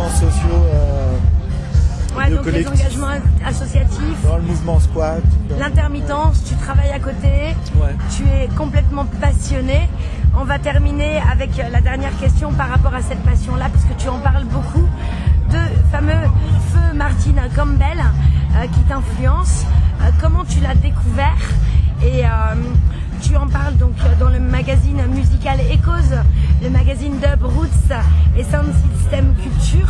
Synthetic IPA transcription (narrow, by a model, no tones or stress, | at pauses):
sɔsjoø | wɛd̪ɔ̃kɛɑ̃ɡaʒmɑ̃asɔsjat̪ʰifləmuvmɑ̃spwalɛ̃t̪ɛʁmit̪ɑ̃st̪yt̪χavajakot̪ewɛ | t̪yɛkɔ̃plɛt̪mɑ̃pasjɔne | ɔ̃vat̪ɛʁmineavɛklad̪ɛʁnjɛʁkʲɛst̪jɔ̃paʁːapɔʁasɛt̪̚pasjɔ̃lapaʁskət̪yɑ̃paʁlbokʰu | d̪əfamøfømaʁt̪inkɔ̃mbɛløkʲit̪ɛ̃flyɑ̃skɔmɑ̃t̪ylad̪ekʰuvɛʁeøm | t̪yɑ̃paʁld̪ɔ̃kd̪ɑ̃ləmaɡazinmyzikalekozləmaɡazind̪əbʁut̪sɛsɛ̃d̪sist̪ɛmkʲylt̪yːʁ